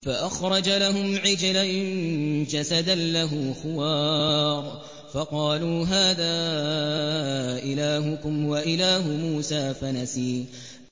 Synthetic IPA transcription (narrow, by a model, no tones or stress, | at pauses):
faʔaxɾˤɑd͡ʒalaɦʊmʕɪd͡ʒalannd͡ʒasad̪anlaɦʊːxʊwɑːɾˤ | fɑqɑːluːɦaːðaː | ʔɪlaːɦʊkʊmwaʔɪlaːɦʊmuːsaːfanasiː